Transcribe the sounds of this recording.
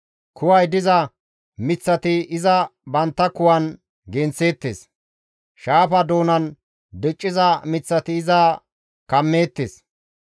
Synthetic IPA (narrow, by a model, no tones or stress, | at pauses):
kʰʊwɐjd̪ɪzɐ | mɪt͡sːɐt̪ɪɪzɐbɐnt̪ːɐkʊwɐn | ɡɛnt͡se̞ːt̪ːḛs | ʃaːfɐd̪o̞ːnɐn | d̪ɛt͡ʃʼːɪzɐmɪt͡sːɐt̪ɪːzɐ | kɐmːeːt̪ːes